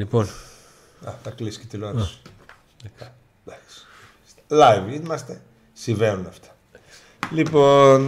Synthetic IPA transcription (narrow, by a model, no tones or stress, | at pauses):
lipon | ɐ̰t̪ɐklisket̪iloɾs | d̪ɐs | st̪lɐjvimɐst̪e | sivenunɐft̪ʰɐ̥ | lipo̞n